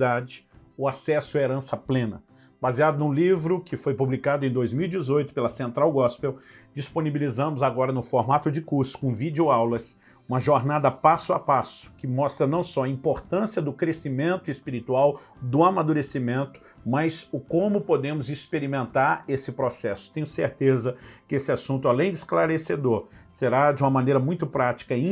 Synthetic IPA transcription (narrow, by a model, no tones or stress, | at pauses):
d̪ad͡ʒɪʊasɛsʊɐɛeɾɐ̃sɐplẽnɐ | baziad̪ʊnũlivɾʊkɪfojpublikad̪ʊẽd̪ojzmiwid͡ʒɪzojt̪ʊ̥pelɐsẽnt̪ɾawɡɔspewd͡ʒisponibilizɐ̃mʊzaɡɔɾɐnʊfoɾmat̪ʊd͡ʒɪkuɾsʊ̥kõvid͡ʒjʊawlɐs | ũmɐʒoɾnad̪ɐpasʊapasʊ̥kɪmɔst̪ɾɐnɐ̃w̃sɔɐĩpoɾt̪ɐ̃siɐd̪ʊkɾesimẽnt̪ʊispiɾit̪uaw | d̪ʊamad̪uɾesimẽnt̪ʊ̥ | mɐjzʊkõmʊpod̪ẽmʊzɪspeɾimẽnt̪aɾesɪpɾosɛsʊ̥t̪ẽɲ̃jʊseɾt̪ezɐkɪesɪasũnt̪ʊalẽj̃d͡ʒɪsklaɾesed̪oɾ | seɾad͡ʒɪũmɐmɐ̃nejɾɐmũj̃t̪ʊpɾat͡ʃi̥kɐĩ